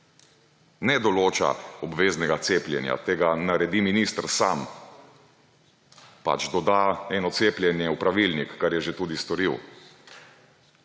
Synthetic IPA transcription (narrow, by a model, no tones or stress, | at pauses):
nɛd̪ɔloːt͡ʃa̰ɔbʋeːznɛɡat̪seːplʲjɛ̰nja̰t̪eːɡanaɾɛd̪iminist̪ɾsam | pa̰t͡ʃd̪ɔd̪aɛːnɔt̪seːplʲjɛnjɛupɾaʋilnikːaɾjɛʒet̪uːd̪ist̪ɔɾiw